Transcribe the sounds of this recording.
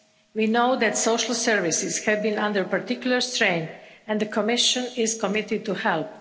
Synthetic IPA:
winoʊd̪ɛt̪soʊʃəl̩sɛɹʋisɪshɛvbĩnʌ̃nd̪əɹpaɾt̪ikjulˠəɹst̪ɾẽɪ̃nɛ̃nd̪əkʰɔmɪʃə̃nɪzkɔmɪt̪ɪd̪̚t̪uhɛlp̚

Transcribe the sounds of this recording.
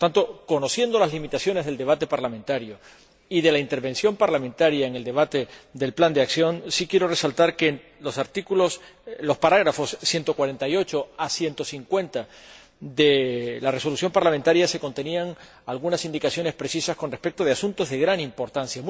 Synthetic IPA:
ot̪ant̪o̞ko̞no̞sje̞nd̪o̞lazlimit̪asjo̞ne̞zð̞eld̪e̞β̞at̪e̞paɾlamẽnt̪aɾjo | iðe̞laint̪e̞ɾβẽ̞nsjo̞mpaɾlamẽ̞nt̪aɾjaeŋe̞ld̪e̞β̞at̪e̞d̪e̞lpland̪e̞aksjo̞nsikje̞ɾo̞re̞salt̪aɾke | lo̞saɾt̪ikulo̞slo̞spaɾaɣɾafo̞sːje̞nt̪o̞kwaɾe̞nt̪ajo̞t͡ʃo̞asje̞nt̪o̞siŋkwe̞nt̪a | d̪elare̞so̞lusjo̞mpaɾlament̪aɾjase̞ko̞nt̪e̞niaŋ | alɣunasind̪ikasjo̞ne̞spɾe̞sisasko̞nre̞spe̞k̚t̪o̞ð̞easunt̪o̞zðe̞ɣɾanimpo̞ɾt̪ansjam

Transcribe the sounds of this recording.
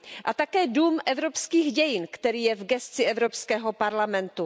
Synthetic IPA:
ʔat̪akɛːduːmʔɛvɾopskiːxɟɛjɪnkt̪ɛɾiːjɛvɡɛst͡sɪʔɛvɾopskɛːɦopaɾlamɛnt̪u

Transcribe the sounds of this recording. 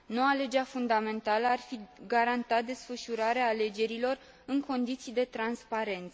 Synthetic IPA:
no̞wale̞d͡ʒeafund̪ame̞nt̪aləarfiɡaɾant̪at̪̚d̪e̞sfəʃuɾaɾeaːle̞d͡ʒe̞ɾilo̞r | ɨŋko̞nd̪it̪sijd̪e̞t̪ɾanspaɾe̞nt̪sə

